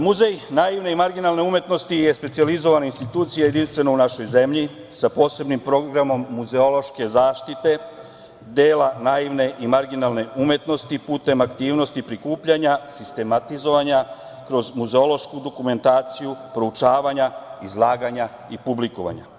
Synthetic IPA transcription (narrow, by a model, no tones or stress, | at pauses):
muzejnaiʋne̞imaɾɡinalne̞umje̞t̪no̞st̪ije̞spe̞t̪sializo̞ʋanainst̪it̪uːt̪sijajed̪inst̪ʋe̞nounaʃo̞jze̞mʎi | sapo̞ːse̞bnimpɾo̞ɡɾamo̞mːuzeo̞lˠo̞ʃke̞zaːʃt̪it̪e̞ | d̪e̞ːlanaiʋne̞ʔimaɾɡinalne̞umje̞t̪no̞st̪ipuːt̪e̞makt̪iːʋno̞st̪ipɾikuːpʎaɲasist̪e̞mat̪izo̞ʋaɲa | kɾo̞zmuzeo̞lo̞ʃkud̪o̞kume̞nt̪aːt̪sijupɾo̞ut͡ʃaːʋaɲaizlˠaːɡaɲa | ipublikoʋa̰ɲa̰